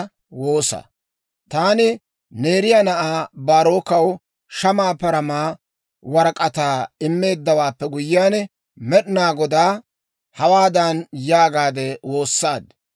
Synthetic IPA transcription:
wo̞ːsɐ̰ | t̪aːnɪ | ne̞ːɾɪjanɐʔaːbaːɾo̞ːkɐw | ʃɐmaːpɐɾɐmaː | wɐɾɐkʼɐt̪aːɪmːe̞ːd̪ːɐwaːpːɛɡʊjɪːaːnɛ | mɛɗɪnaːɡɔd̪aː | hɐwaːd̪ɐnjaːɡaːd̪ɛwo̞ːsːaːd̪

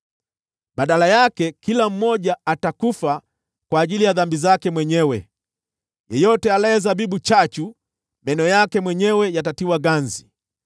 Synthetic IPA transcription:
ɓaɗalajakɛkilam̩mɔʄaatakufa | kwaːʄilijaðambizakɛmwɛɲɛwɛ | jɛjɔtɛalajɛzabiɓut͡ʃat͡ʃu | mɛnɔjakɛmwɛɲɛwɛjatatiwaɡanzi

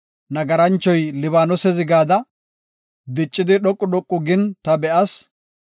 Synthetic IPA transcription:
nɐɡɐɾɐnt͡ʃːɔjlɪβaːnɔsɛzɪɡaːd̪ɐ | d̪ɪt͡ʃʼːɪd̪ɪɗɔkʼːʊɗɔkʼːʊɡɪnt̪ɐbɛʔɐs

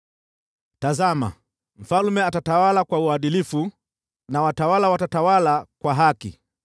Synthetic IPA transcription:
tazama̰ | m̩falmɛatatawalakwauaɗilifu | nawatawalawatatawalakwaɦakḭ

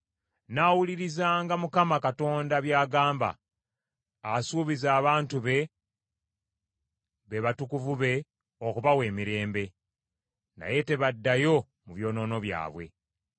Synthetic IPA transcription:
naːwuliɾizaːŋɡamukamakato̞ːndaβjaːɡaːmba̰ | suːβizaːβaːntuβe̞ | βe̞βatukuvuβe̞ | okuβawe̞ːmiɾe̞ːmbe̞ | na̰je̞te̞βadːajo̞ | muβjo̞ːno̞ːno̞βja̰ːβwe̞̰

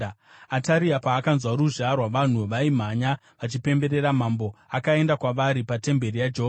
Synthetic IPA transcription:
ataɾiapaːkanzwaɾuʒarwaʋan̤uʋaim̤aɲa | ʋat͡ʃipe̞mbe̞ɾe̞ɾam̤ambo̞akae̞ndakwaʋaɾipate̞mbe̞rijad͡ʒeɦoa

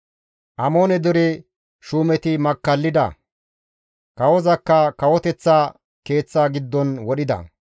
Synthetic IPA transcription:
ʔɐmo̞ːnɛd̪ɔɾɪ | ʃuːmɛt̪ɪmɐkːɐlːɪd̪ɐ̰ | kɐwɔzɐkːɐkɐwɔt̪ɛt͡sːaː | ke̞ːt͡sːaːɡɪd̪ːɔnwɔɗɪd̪ɐ̰

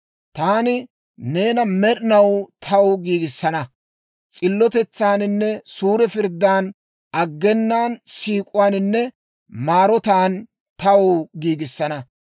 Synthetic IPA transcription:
t̪aːnɪ | ne̞ːnɐmɛɾɪnɐwt̪ʰɐwɡiːɡɪsːɐnɐ | t͡sʼɪlːɔt̪ɛt͡sːaːnɪnːɛsuːɾɛfɪɾd̪ːaːn | ɐɡːɛnːaːnsiːkʼʊwaːnɪnːɛ | maːɾɔt̪aːn | t̪ɐwʊɡiːɡɪsːɐnɐ

